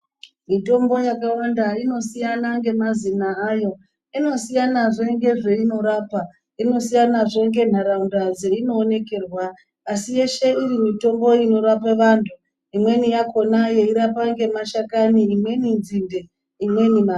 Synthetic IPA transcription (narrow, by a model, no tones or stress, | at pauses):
mito̞mbo̞jakawandaino̞sijanaŋɡe̞mazinaajo̞ | ino̞sijanaʐe̞ŋɡe̞ʐe̞ino̞ɾapa | ino̞sijanaʐeŋɡe̞n̤aɾaundad͡ze̞ino̞ːne̞ke̞rwaː | sije̞ʃe̞irimito̞mbo̞ino̞ɾapeʋantʰu | imwe̞nijako̞naje̞iɾapaŋɡe̞maʃakaniːmwe̞ninzinde | imwe̞nima